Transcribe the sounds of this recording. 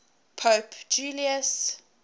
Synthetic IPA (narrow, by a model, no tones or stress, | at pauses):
pʰopd͡ʒuːliəs